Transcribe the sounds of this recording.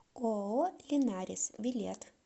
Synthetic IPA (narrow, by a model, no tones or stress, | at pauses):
oolʲɪnʲæːɾʲɪsʋʲɪlʲit̪